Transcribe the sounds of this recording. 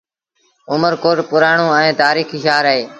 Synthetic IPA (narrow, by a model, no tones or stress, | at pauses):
ʊməɾkoːʈpʊɾaːɳõːɛ̃ːt̪aːɾiːxiːʃaːɾɦeː